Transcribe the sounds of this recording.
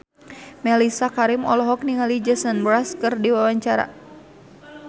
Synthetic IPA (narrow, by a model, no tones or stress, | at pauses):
mɛlisakaɾimɔ̰lɔɦɔk̚niŋalid͡ʒɛsənbɾaskɨrdiwawaɲt͡ʃaɾa̰